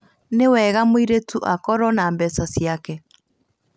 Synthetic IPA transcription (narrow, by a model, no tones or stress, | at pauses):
newɛɣamoiɾetuʔakɔɾɔnaːmbɛsasiakɛ